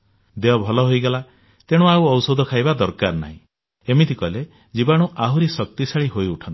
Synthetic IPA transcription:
d̪eɔbʱɔlɔɦojɡela | t̪eɽ̃ũawɔwsod̪ʱɔkʰajbad̪ɔɾkaɾna̰ɦĩ | emit̪ʰikɔle | d͡ʒibaɽ̃uʔaɦuɾisɔk̚t̪isaɭiɦojuʈʰɔnt̪i̥

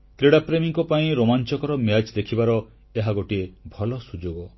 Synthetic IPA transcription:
kɾeɽapɾemiŋkɔpaĩɾomant͡ʃɔkɔɾɔmjat͡ʃd̪ekʰibaɾɔ | eɦaɡoʈiebʱɔlɔsud͡ʒoɡɔ

